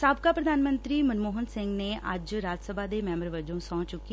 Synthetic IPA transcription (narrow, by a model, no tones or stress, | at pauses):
saːbkaːpɾəd̪ʱaːnmənt̪ɾiːmənmoːɦənsɪŋɡneːʔə̰d͡ʒɾaːd͡ʒsəbʱaːd̪eːmɛ̃ːmbəɾʋəd͡ʒõːsɔ̃ːt͡ʃʊkːi